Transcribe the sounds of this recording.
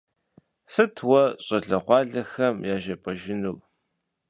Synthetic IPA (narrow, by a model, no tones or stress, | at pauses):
sɨtʰwɐɕʼɐɮɐqʷɑːɮɐxɐmjaːʒɐpʼɐʒɪnuːpʼ